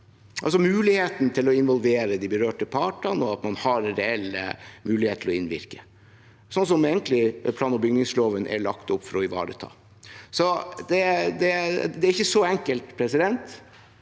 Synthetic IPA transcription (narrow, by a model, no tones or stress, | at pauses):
ʔɑls̬ɔmʉːlɪheːt̪n̩t̪ʰɪlɔɪnʋɔlʋeːɾəd̪ɪbəɾøːʈəpʰɑːʈɑnɔɑt̪mɑnhɑɾɾɛɛlːə̰mʉːlɪheːt̪ʰlɔɪnʋɪ̰ɾkə | sɔnsɔmɛːənt̪ʰlɪpʰlɑːnɔbʏɡnɪŋsloːʋənʔɛ̰ɭɑkt̪ʊpːfɔɾɔɪʋɑ̰ːɾə̰t̪ʰɑ̰ː | sɔd̪ɛd̪ɛd̪ɛæɾɪçːəsɔɛŋkəlt̪pʰɾɛsɪd̪ɛnt̪